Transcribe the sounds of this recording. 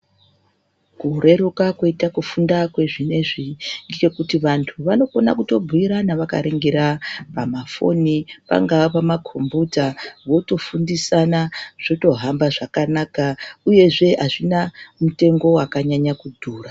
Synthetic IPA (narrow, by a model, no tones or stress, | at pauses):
kure̞ɾokakwoitakufundakwe̞ʐine̞ʐiŋɡike̞kutiʋantʰuʋano̞ko̞nakuto̞bʱuiɾanaʋaka̰ɾe̞ŋɡe̞ɾapamafo̞̰nipa̰ŋɡaopamakʰo̞mbutaʋo̞to̞fundisanaʐ̥o̞to̞ɦambaʐakanakauje̞ʐe̞ɦaʐinamute̞ŋɡo̞wakaɲaɲakudʱuːra